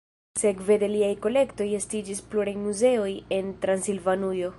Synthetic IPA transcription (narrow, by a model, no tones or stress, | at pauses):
se̞kve̞de̞liajko̞le̞kto̞je̞stid͡ʒispluɾajmuze̞o̞je̞ntɾansilvanujo̞